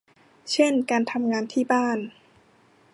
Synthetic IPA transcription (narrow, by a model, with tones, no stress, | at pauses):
t͡ɕʰe˥˩nkaː˧nt̪ʰa˧mŋaː˧nt̪ʰiː˥˩baː˥˩n